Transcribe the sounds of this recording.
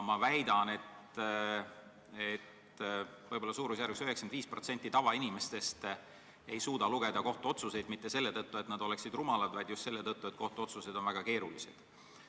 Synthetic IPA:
mɑvæjd̪ɑne̞t̪ | et̪ | vɤjbo̞lːɑsuːɾusjærveksyɦeksɑnd̪viːspro̞t̪se̞nʲt̪ːˑit̪ɑvɑinime̞st̪e̞st̪ | e̞jsuːd̪ɑluɡ̥e̞d̪ɑko̞ht̪uo̞t̪suse̞jd̪̥mit̪ːe̞se̞lːe̞t̪ɤt̪ːue̞t̪ˑnɑd̪̥o̞le̞ksid̪rumɑlɑd̪vɑjd̪just̪se̞lːet̪ɤt̪ːuet̪̚ko̞ht̪uo̞t̪suse̞d̪o̞nvæɡ̥ɑke̞ːɾulise̞̰d̪̥

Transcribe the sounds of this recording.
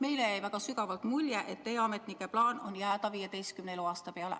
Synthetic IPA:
meileeiʋækɑsykɑʋɑlt̪muljæʔet̪ːeiɑmet̪nikæplɑːnonjæːt̪ɑʋiːjet̪eiskymneloɑst̪ɑpeælæ̰

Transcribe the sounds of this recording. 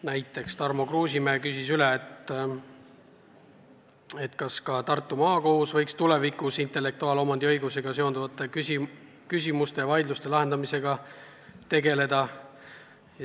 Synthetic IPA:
næjt̪ːˑe̞kst̪ɑrmo̞kruːsʲimeːkysisyleːt̪ | et̪ːˑkɑskɑt̪ɑrt̪ːˑumɑːko̞husvɤjkst̪ule̞vikusint̪ˑe̞lːe̞k̚t̪uɑːlo̞mɑnd̪̥iɤjɡ̥use̞ɡ̥ɑse̞o̞nd̪uvɑt̪ːˑe̞kysi | kysʲimust̪e̞jvɑjd̪lust̪e̞lɑɦe̞nd̪ɑmise̞ɡ̥ɑ | t̪e̞ɡe̞le̞d̪̥ɑ

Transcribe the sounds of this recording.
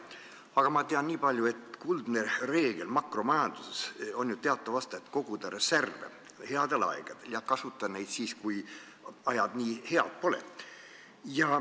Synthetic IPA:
ɑɡ̥ɑmɑt̪eɑnniːpɑlʲjue̞t̪kuld̪nere̞ːɡ̥e̞lmɑkro̞mɑjɑnd̪̥useso̞njut̪e̞ɑt̪ːˑɑvɑst̪ɑet̪ːko̞ɡ̥ud̪ɑɾeservḛ | he̞ɑd̪̥e̞lɑ̰ḛɡ̥ɑd̪̥e̞ljɑkɑsut̪ːˑɑne̞jd̪̥siːskuj | ɑjɑd̪̥niːhe̞ɑ̰d̪̥̚po̞lḛ | jɑ

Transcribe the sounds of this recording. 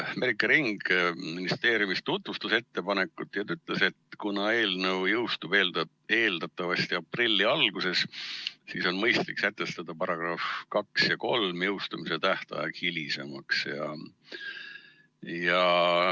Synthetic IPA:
me̞ɾikːˑɑɾiŋɡ̥minist̪e̞ːɾjumist̪ut̪vust̪use̞t̪ːe̞pɑne̞kːˑut̪ːˑjɑt̪yt̪ːˑle̞se̞t̪kunɑe̞ːlnɤwjɤwst̪ub̥e̞ːld̪ | e̞ːld̪̥ɑt̪ːˑɑvɑst̪iɑprilʲːiɑlɡ̥use̞ssiso̞nmɤjst̪liksæt̪ːˑe̞st̪ɑd̪̥ɑpɑɾɑɡ̥rɑfkɑksjɑko̞lmjɤwst̪umise̞t̪æht̪ɑ̰jɑɡ̥hilʲisemɑksjɑ̰ | jɑ

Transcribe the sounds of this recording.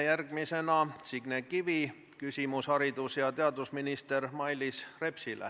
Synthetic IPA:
jærɡ̥mise̞nɑsiɡ̥nekivi | kysʲimushɑɾid̪usjɑt̪e̞ɑd̪usminist̪ermɑjlisre̞psilḛ

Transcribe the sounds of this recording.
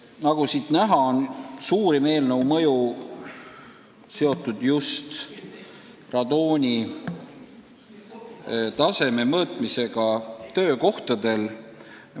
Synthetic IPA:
nɑɡ̥usiːt̪næɦɑonsuːɾime̞ːlnəwmɤju | se̞o̞t̪ːˑud̪̥just̪ | rɑd̪oːnʲi | t̪ɑse̞me̞mɤːt̪ˑmise̞ɡ̥ɑt̪ø̞ːko̞ht̪ɑd̪̥e̞l

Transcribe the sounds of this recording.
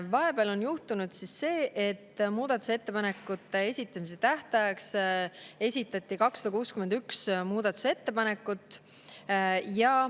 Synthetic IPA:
vɑɦe̞beɑlo̞njuht̪unud̪̥sisːe̞ːʔet̪ːmuːd̪̥ɑt̪ːˑusee̞t̪ːe̞pɑne̞kːˑut̪ːˑe̞e̞sʲit̪ːˑɑmis̬e̞t̪æht̪ɑjɑks | e̞sʲit̪ːˑɑt̪ːˑikɑksːɑ̥d̪̥ɑkuːskymend̪yksmuːd̪̥ɑt̪ːˑu̥se̞t̪ːe̞pɑne̞kːˑut̪ːˑ | jɑ

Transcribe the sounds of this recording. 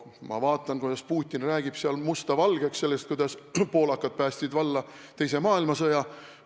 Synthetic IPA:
mɑ̰vɑːt̪ːˑɑnkujd̥̪ɑspuːt̪ʲːˑinræːɡ̥ib̥seɑlmust̪ɑvɑlɡ̥eksse̞lːest̪̚kujd̪ɑspo̞ːlɑkːˑɑd̪̥̚pæːst̪sid̪vɑlːɑ | t̪e̞jse̞mɑːilmɑsɤjɑ

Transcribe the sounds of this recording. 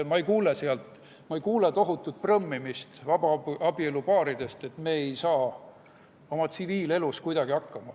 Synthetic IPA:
mɑejkuːleseɑlt̪ˑ | mɑejkuːlet̪o̞ɦut̪ːˑut̪̚prɤmːimist̪vɑbɑɑbie̞lupɑːɾid̪̥e̞st̪e̞t̪ːme̞ːejsɑː | o̞mɑt̪siviːle̞luskujd̪̥ɑɡiɑkːɑmɑ

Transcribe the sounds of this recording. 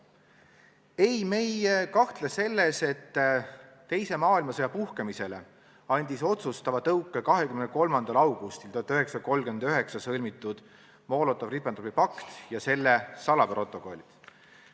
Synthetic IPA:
e̞jme̞jkɑht̪lese̞lːe̞se̞t̪ː | e̞jse̞mɑːilmɑsejɑpuhkemise̞le̞̰ | ɑnʲd̪̥iso̞t̪sust̪ɑvɑt̪ɤwkːˑekɑɦe̞kymneko̞lmɑnd̪̥ɑlɑwɡ̥ust̪ilt̪oɑt̪ːˑøɦeksɑko̞lːɡ̥yend̪øɦe̞ksɑsɤlʲmit̪ːˑud̪̥ | mo̞ːlot̪ːˑɑvripːˑɑnopːipɑkt̪jɑse̞lːesɑlɑpro̞t̪ːˑo̞ko̞lʲit̪

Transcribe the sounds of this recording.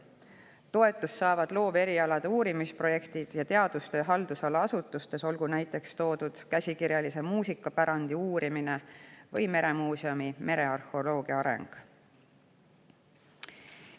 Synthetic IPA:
t̪o̞e̞t̪ːˑusːɑːvɑd̪̥lo̞ːve̞ɾiɑlɑd̪̥euːɾimispro̞je̞kt̪id̪̥jɑt̪e̞ɑd̪̥ust̪e̞ɦɑld̪usɑlɑɑsut̪ːˑust̪e̞so̞lɡ̥unæjt̪ːˑe̞kst̪o̞ːd̪̥ud̪̥kæsʲikiɾjɑlise̞muːsikːˑɑpæɾɑnd̪iuːɾimine̞vɤjme̞ɾe̞muːseomimʔe̞ɾe̞ɑrhˑo̞lo̞ːɡ̥iɑɑɾe̞̰ŋɡ̥

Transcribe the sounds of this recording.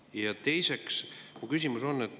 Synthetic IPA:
jɑt̪e̞jse̞ksmukysimuso̞nːet̪ː

